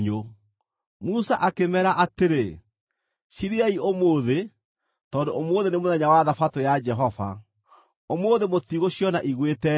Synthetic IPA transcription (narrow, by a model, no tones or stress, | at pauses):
ɲo | musaʔakemɛɾaʔateɾe | ʃiɾiaiomoːðe | tɔːndoomoːðenemoðɛɲawaðafatojad͡ʒɛɦɔva̰ | omoːðemotiɣoɕjɔnaʔiɣwetɛ